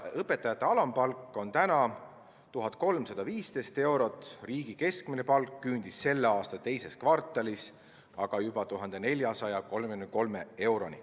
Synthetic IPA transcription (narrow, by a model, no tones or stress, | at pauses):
ɤpːe̞t̪ːˑɑjɑt̪ːˑe̞ɑlɑmpɑlkːˑo̞nt̪ænɑ | t̪uɦɑt̪̚ˑko̞lmsɑd̪̥ɑviːst̪e̞jst̪e̞wɾo̞t̪ːˑriːɡ̥ike̞skmine̞pɑlkːynd̪̥isːe̞lːeɑːst̪ɑt̪e̞jse̞skvɑrt̪ːˑɑlis | ɑɡ̥ɑjubɑt̪uɦɑnd̪̥e̞ne̞lʲjɑsɑjɑko̞lmeyynko̞lme̞e̞wɾo̞nḭ